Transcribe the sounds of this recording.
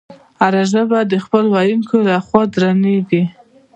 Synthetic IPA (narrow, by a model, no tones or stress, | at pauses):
aɾaʒabad̪ːəxpəlwajunkolaxwɑd̪ɾanewi